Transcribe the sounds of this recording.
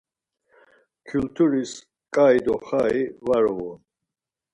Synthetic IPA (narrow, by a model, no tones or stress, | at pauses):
kʰult̪ʰuɾis | kʼaid̪ɔχaivaɾɔɔn